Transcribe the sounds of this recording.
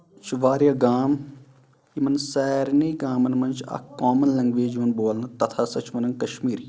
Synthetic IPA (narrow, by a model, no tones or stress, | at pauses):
t͡ʃʰʋaːɾjaɡaːm | imɐnsɛːɾniːɡaːmɐnmɐnt͡ʃɐ̰kːaːmɐnlɐŋɡʋeːd͡ʒiʋɐnboːlnɐt̪ɐt̪ʰasɐt͡ʃʰmɐnɐŋkɐʃmiːɾi